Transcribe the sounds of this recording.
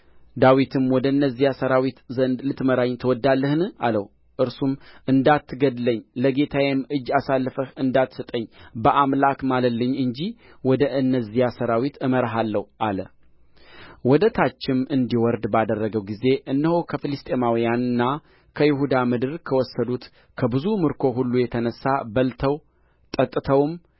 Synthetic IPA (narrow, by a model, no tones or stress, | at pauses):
d̪awit̪ʰɨmwɔd̪əɨnːəzːijasəɾawit̪zənd̪lɨt̪məɾaɲt̪ʰəwɔd̪ːalːəhnɨʔaləw | ʔɨɾsumʔɨnd̪at̪ːɨɡəd̪ləɲːləɡe̞t̪ʰawɛmɨd͡ʒːasalːɨfəhɨnd̪at̪ːsɨt̪ʼəɲːbəʔamlakmalət̪lːəɲːɨɲd͡ʒi | wɔd̪əʔɨnːəzːijasəɾawit̪ɨməɾɦalːəhʔalə̰ | wɔd̪ət̪ʰat͡ʃːɪmɨnd̪iwɔɾd̪bad̪ərːəɡəwɡize̞ʔɨnːɨhokʰəfɨlɨst̪ʼe̞mawijanɨnːa | kʰəjɪɦud̪amɨd̪ɨɾkʰəwɔsːəd̪ut̪ | kʰəbɨzumɨɾkʰo̞ɦulːujɛt̪ʰənəsːabəlt̪ʰəw | t̪ʼət̪ʼɨt̪ʰəwm